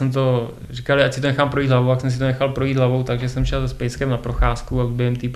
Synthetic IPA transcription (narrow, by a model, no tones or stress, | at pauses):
sɛmt̪o̞ | rikalɪac̚sɪt̪o̞nɛxaːmpɾo̞jiːd̪ɦlavow̪aksɛms̬ɪt̪onɛxalpɾo̞jiːd̪ɦlavo̞wt̪aɡʒɛsɛmʃɛlspɛjskɛmnapɾo̞xaːskuaubɛɦɛmt̪i